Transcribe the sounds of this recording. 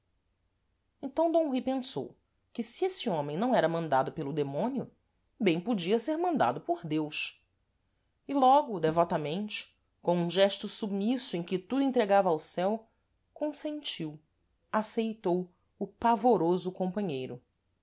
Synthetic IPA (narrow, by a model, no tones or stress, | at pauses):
ẽnt̪ɐ̃w̃d̪õɦipẽso̰w | kɪsiesɪõmẽj̃nɐ̃w̃ɛɾɐmɐ̃nd̪ad̪ʊpelʊd̪emõniʊ | bẽj̃pod͡ʒiɐseɾmɐ̃nd̪a̰d̪ʊpoɾd̪ewʃ | ɪlɔɡʊd̪evɔt̪amẽnt͡ʃɪ̥ | kõũʒɛʃt̪ʊsubmisʊẽj̃kɪt̪ud̪ʊẽnt̪ɾeɡavɐːwsɛw | kõsẽnt͡ʃiw | asejt̪ow | ʊpavoɾozʊkõmpɐ̃ɲejɾʊ